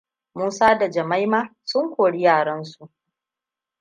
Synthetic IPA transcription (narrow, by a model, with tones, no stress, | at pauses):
muː˦saː˦da˨d͡ʒɐ˨ma˦jmaː˦sʊ˦ŋkʷoː˨ɽi˦jaː˨ɽɐ˦nsu˨ʔ